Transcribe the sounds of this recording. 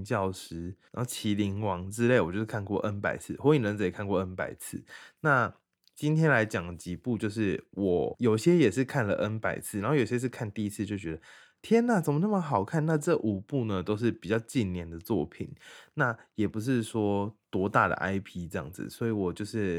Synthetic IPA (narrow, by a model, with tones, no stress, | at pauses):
t͡ɕjɑ˥˩ʊʂɻ̩˥ã˨˦ho˥˩t͡ɕʰi˧˥li˧˥ŋwɑ˧˥ŋʈ͡ʂɻ̩˥le˥˩wɔ˨˩t͡ɕjo˥˧ʊʂkʰa˥˧nkwɔ˥˩ʔə˦npa̰˨˩ɪt͡sʰɹ̩˥˩xɔ˧˦˥i˨˩nɻə˧˦nt͡s̩˨˩i˨˩kʰa˥˧nkwɔ˥˩ə˦npa̰˨˩˦ɪt͡sʰɹ̩̰˥˩na˥˩ | t͡ɕi˦nt̪ʰjɛ˥nla˧˥ɪt͡ɕjɑ˨˩ŋə˩t͡ɕi˧˨˦pu˥˧t͡ɕjo˥˧ʊʂ̬ɻ̩˥˩wɔ˨˩jo˨˩ʊiɕjɛ˥jɛ˨˩ʂɻ̩˥˧kʰa˥˩nlə˨ʔə˦˥npa˨˩ɪt͡sʰɹ̩ɨ˥˩a˨˧˦xjo˨˩ɕjɛ˥ʂɻ̩˥˧kʰa˥˧nt̪i˥˧i˦˥t͡sʰɹ̩˥˧t͡ɕjo˥˩ʊt͡ɕɥɛ˧˦d̪ə˨ | t̪ʰjɛ˥na˨˩t͡sə˨˩mə˦nə˥˩mə˨˦xɑ˨˩ʊkʰa˥˩nna˥˧ʈ͡ʂɤ˥˩ʔu˨˩pu˥˩nə˨t̪o˥ʊʂ̬ɻ̩˥˩pi˨˩t͡ɕjɑ˥˧ʊt͡ɕi˥˨nnjɛ˥˧˩nd̪ə˩t͡swɔ̰˥˩pʰḭ˨˩nna˥˩jɛ˨˩pu˨˦ʂ̬ɻ̩˥˩ʂwɔ˥t̪wɔ˧˥t̪a˥˩d̪ə̰˩ʔa˥ɪpʰi˥ʈ͡ʂɤ˥˧ɑ̰˥˩ŋd͡z̩̰˨swɔ˧˥i˧˥wɔ˨˩t͡ɕjo˥˧ʊʂɻ̩˥˩